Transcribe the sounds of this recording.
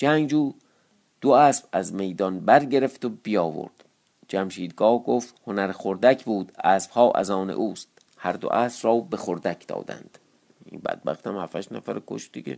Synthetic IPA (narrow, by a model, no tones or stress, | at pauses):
d͡ʒæŋɡd͡ʒuː | d̪̥oæːsb̥æzme̞jd̪ɒnbæɾɟe̞ɾeft̪obijɒːvo̰ɾd̪̥ | d͡ʒæmʃiːd̪̚ɡɒːhɡoːft̪honæɾxoɾd̪æcʰbuːd̪æːsb̥hɒːʔæ̰zɒːnḛʔuːst̪̚ | hæɾd̪o̰ʔæːsb̥rɒːbexoɾd̪ækʰd̪ɒ̰ːd̪æ̰nd̪̥ | ḭnbæ̰d̪̥̚bæ̰χt̪æmhæfæʃnæfæɾekʰo̰ʃd̪iɟḛ